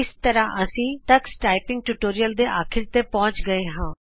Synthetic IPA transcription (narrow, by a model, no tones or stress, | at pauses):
ɪst̪əɾãːʔəsĩːt̪əksʈaːipɪ̃ŋɡ̚ʈuːʈoːɾijəld̪eːʔaːkʰɪɾt̪eːpɔ̃ːt͡ʃɡəeːɦãː